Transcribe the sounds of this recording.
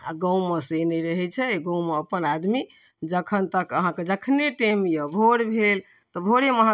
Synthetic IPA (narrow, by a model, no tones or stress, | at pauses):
a̰ɡə̃w̃meseneɾəɦɛt͡ʃʰɛɡə̃w̃meəpənad̪mi | d͡ʒəkʰənt̪əkəɦãked͡ʒəkʰneʈemjəbʱoɽbʱel | t̪ɔbʱoɽeməɦã